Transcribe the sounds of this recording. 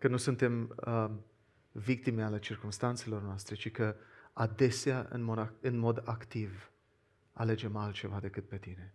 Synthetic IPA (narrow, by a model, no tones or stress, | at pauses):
kənusunt̪e̞mə | vik̚t̪imeale̞t͡ʃirkumst̪ant̪se̞lo̞rnoast̪ɾe̞t͡ʃikəad̪e̞seaʔɨ̰noɨnmo̞d̪akt̪iv | a̰le̞d͡ʒe̞malt̪̚t͡ʃe̞vad̪e̞kɨt̪̚pe̞t̪ine̞